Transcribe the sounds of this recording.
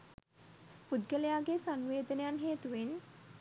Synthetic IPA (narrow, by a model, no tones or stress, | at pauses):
pud̪ɡəlejaːɡesaŋʋeːd̪ənejanɦeːt̪uʋen